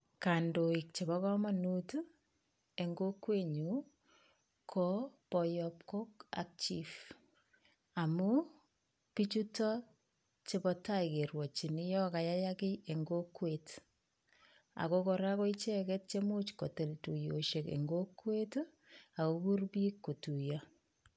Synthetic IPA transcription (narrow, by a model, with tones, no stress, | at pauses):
ka˨ndoik̚t͡ʃe˨bɔ˦kɔ˦ma˦nut | e˨ŋɡo˦kwe˦ɲu | kʰɔpɔjɔp̚ko˦ka̰k̚t͡ʃif | a˨mu˦ | pi˦t͡ʃutɔ˦ | t͡ʃe˦pɔta˦jke˨ɾwɔ˨t͡ʃi˨nɪ˦jɔ˦ka˨ja˦ja˦kɪ˦e˨ŋɡokwet | a̰˨kokɔɾa˦ko˦it͡ʃɛ˦kɛt̚t͡ʃe˦mu˦t͡ʃko˨te˨ltu˨jo˨ʃe˨kḛŋɡokwe˦t | a˨koku˦rpi˦kːo˨tu˨jɔ